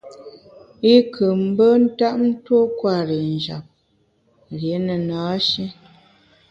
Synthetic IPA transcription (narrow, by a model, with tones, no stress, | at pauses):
i˦kʰə˨m̩˦bə˦n̩˦ta˦ʔn̩˦two˦kwa˦˨ɾe˨n˨d͡ʒa̰˨p̚ | ɾje˨˦nə˨naː˨˦ʃi˦